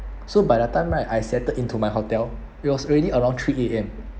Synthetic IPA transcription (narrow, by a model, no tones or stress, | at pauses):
sobajdətãɪ̃mɹaɪʔajsɛtədĩntʰumajɦotɛl | it̚wɔsɔɹɛdiəɹãʊ̃ŋtʰɹieɛ̃m